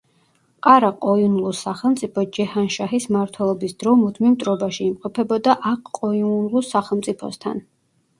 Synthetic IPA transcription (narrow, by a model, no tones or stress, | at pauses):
qʼaɾaqʼɔinulˠusaχɛlˠmt̪sʼipʰɔd͡ʒɛhanʃaɦismaɾt̪ʰwɛlˠɔbisd̪̥ɾɔmud̪ʰmimt̪ʼɾɔbaʃiːmqʼɔpʰɛbɔd̪aʔaqʼqʼːɔilˠusaχɛlˠmt̪sʼipʰɔ̰st̪ʰa̰n